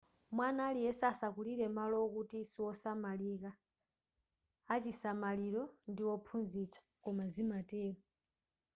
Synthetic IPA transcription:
mwanalijɛsaːsakuliɾɛmalɔkutisiwɔsamalika | t͡ʃisamaliɾɔndiwɔpʰunzit͡sʰḁkɔmazimatɛːma

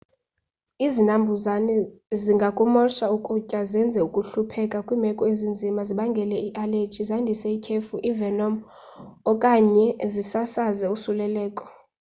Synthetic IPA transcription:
izinambʱuzanɛziŋɡʱakʼumɔʃaukʼucʼazɛnd͡zʱɛukʼuɬupʰɛkʼakʼwiːmɛkʼɔezind͡zʱimaziɓaŋɡʱɛlɛiʔalet͡ʃʰʼizandʱisɛikʰefuʔivɛnɔm | ɔkʼaɲɛzisasazɛusulɛlɛːkʼɔ̥

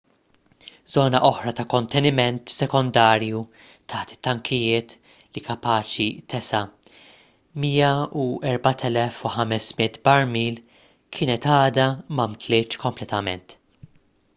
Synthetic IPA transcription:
zɔːnɐʔɔħɾɐt̪ɐkɔnt̪ɛnɪmɛnt̪sɛkɔnd̪ɐːɾju | t̪ʰɐħt̪ɪ̥t̪ːɐŋkʰɪjɪːt̪ | likɐpɐːt͡ʃit̪ɛsɐ | miːjɐuɛɾbɐt̪ʰɛlɛfuħɐmɛsmɪt̪bɐɾmiːl | kʰɪːnɛt̪ɐːd̪ɐmɐmt̪lɪːt͡ʃkɔmplɛt̪ɐmɛ̰nt̪

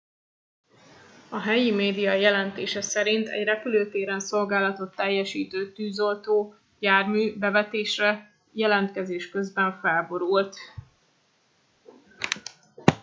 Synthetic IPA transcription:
ɒɦɛjimeːd̪ijɒjɛlɛnt̪eːʃɛsɛɾint̪ɛ̰ɟrɛpyløːt̪eːɾɛnso̞lɡaːlɒt̪o̞t̪ːɛjːɛʃiːt̪øːt̪yːzo̞lt̪oː | jaːrmyːbɛvɛt̪eːʃrɛ | jɛlɛnt̪kɛzeːʃkø̞zbɛɱfɛlbo̞ɾult̪

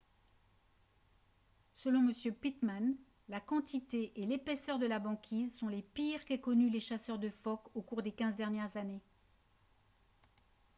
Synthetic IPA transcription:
səlɔ̃məsjøpit̪man | lakɑ̃t̪it̪eʔelepɛsœʁd̪əlabɑ̃kʲʰizsɔ̃lepiʁkɛkɔnyleʃasœʁd̪əfɔkokuʁd̪ekʲɛ̃zd̪ɛʁnjɛʁzane

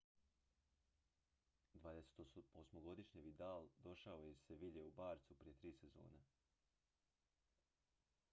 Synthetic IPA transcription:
d̪ʋaːd̪ese̥t̪oosmoɡo̞d̪iʃɲiʋid̪aːld̪o̞ʃaojeseʋiʎeubaːɾt̪supɾije̞t̪ɾiːsezo̞̰ːna

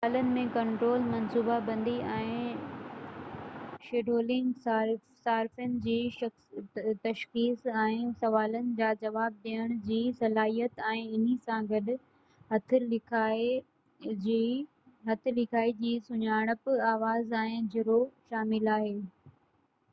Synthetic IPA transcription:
sɐaːlənɪ̆mẽkɐ̃ɳʈɾoːlmɐnsuːbabɐ̃nd̪iɛ̃ː | ʃeːɖʱoːlɪ̃ŋɡsaɾ | saːɾfənɪ̆d͡ʑiːʃɐxst̪ɐʃxiːsɛ̃ːsɐʋaːlənɪ̆d͡ʑaːd͡ʑɐʋaːb̚ɗiəɽ̃ʊd͡ʑiːsɐlaːɦijət̪ɛ̃ːɪn̤isãɡɐɗʊ̆ | ɦɐt̪ʰɪlɪkʰaː | d͡ʑi | ɦɐt̪ʰɪ̆lɪkʰaːid͡ʑiːsʊɲaːɽ̃əpɪaːʋaːzɛ̃ːɪ̃d͡ʑɪɾoʃaːmɪlaːɦeː

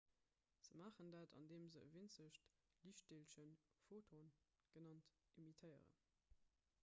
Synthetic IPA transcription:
z̥əmaːχəndaːtʰɑ̰ndeːmzəə̰vint͡səɕt | liʃt̚delʃənfoːtʰon | ɡ̥ənɑnt | imitʰəɪə̰ʁə̰n

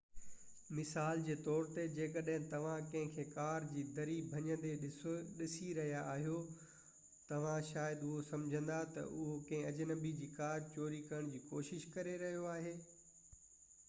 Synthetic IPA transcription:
mɪsaːld͡ʑeːt̪ɔːɾt̪ed͡ʑeːkɐɗɦɪ̃t̪ɐʋ̤ãkɐ̃ɦɪ̃kʰeːkaːɾd͡ʑiːd̪ɐɾibʱɐɲə̃nd̪eɪɗɪsiɾɐɦijaʔaːɦijo | t̪ɐʋ̤ãʃaːjəd̪ʊɦosɐ̃md͡ʑʱə̃nd̪at̪ɐ̰ʔʊɦokɐ̃ɦɪ̃ɐd͡ʑnɐbid͡ʑiːkaːɾt͡ɕoːɾikɐɾəɽ̃d͡ʑiːkoːʃɪʃkɐɾeɾɐɦijoaːɦeː

